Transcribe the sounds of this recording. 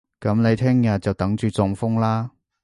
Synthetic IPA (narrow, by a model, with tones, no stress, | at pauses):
kɐ˨˥mne˨˧jt̪ʰɛː˥ŋjɐ˨t̚t͡sɐ˨wt̪ɐ˨˥ŋt͡ʃyː˨˧t͡sʊ˨˧ŋfʊ˥ŋlaː˥